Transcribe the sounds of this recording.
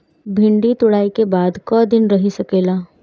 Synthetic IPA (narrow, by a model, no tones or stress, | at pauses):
bʱɪ̃ɳɖit̪ʊɽaːikebaːd̪kɔːd̪ɪnɾɐɦisɐkeːlaː